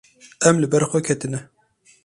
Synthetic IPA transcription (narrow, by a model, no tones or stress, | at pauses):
ɛmlɨbɛɾxʷɛkʰɛt̪ɨnɛ